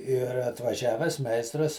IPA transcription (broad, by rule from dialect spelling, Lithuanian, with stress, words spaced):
ɪr ɐtʋɐˈʒʲæːʋʲɛs ˈmʲɛɪstrɐs